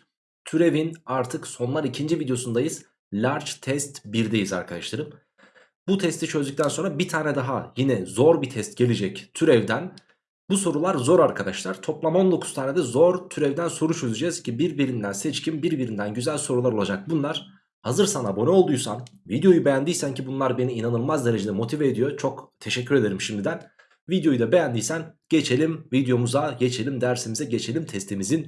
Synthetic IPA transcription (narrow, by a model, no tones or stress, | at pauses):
t̪ʰyɾe̞vinaɾt̪ʰɯkso̞nlˠaɾicʰind͡ʒivid̪jo̞sund̪ajɯz̥ | lʲaɾt͡ʃt̪ʰɛst̪biɾd̪ejiza̰ɾkʰad̪a̰ʃlˠaɾɯm | but̪ʰɛst̪ʰit͡ʃʰø̞zd̪yc̚t̪ʰænso̞nɾabit̪ʰaːnɛd̪aɦajinɛzo̞ɾbit̪ʰɛst̪ɟe̞lʲed͡ʒɛct̪ʰyɾɛvd̪æn | buso̞ɾulˠaɾzo̞ɾaɾkʰad̪aʃlˠaɾ̥t̪ʰo̞plˠamo̞nlˠokʰu̥st̪ʰaːned̪ɛzo̞ɾt̪ʰyɾɛvd̪ænso̞ɾut͡ʃʰøzyd͡ʒɛzcʰibiɾbiɾind̪ænsɛt͡ʃcʰimbiɾbiɾind̪ænɟyzælʲso̞ɾulˠaɾo̞lˠad͡ʒak̚bunlˠaɾ̥ | hazɯɾsanabo̞nɛo̞lˠd̪ujsanvid̪jo̞jubejænd̪ijsæncibunlˠaɾbe̞niːnanɯlˠmazd̪e̞ɾe̞d͡ʒed̪ɛmo̞t̪ʰiveːd̪ijo̞t͡ʃʰo̞kt̪ʰeʃɛcʰːyɾe̞d̪eɾimʃimd̪id̪æn | vid̪jo̞jyd̪abejænd̪ijsænɟ̥e̞t͡ʃʰe̞lʲimvid̪jo̞muzaɟe̞t͡ʃʰe̞lʲimd̪æɾsimizɛɟe̞t͡ʃʰe̞lʲimt̪ʰɛst̪ʰimizin